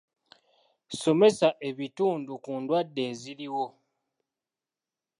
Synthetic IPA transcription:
so̞me̞saʔe̞βituːndukuːndwadːe̞ːziliwo̞

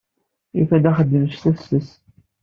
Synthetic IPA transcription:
jufæd̪æχəd̪ːəməʃθæsəs

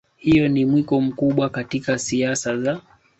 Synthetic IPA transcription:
hijɔnimwikɔm̩kuɓwakatikasiasaza

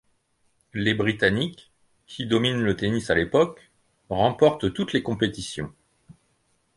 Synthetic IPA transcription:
lebʁit̪anikʰː | id̪ɔminlət̪enisalepɔk | ʁɑ̃pɔʁt̪t̪ut̪lekɔ̃pet̪isjɔ̰̃

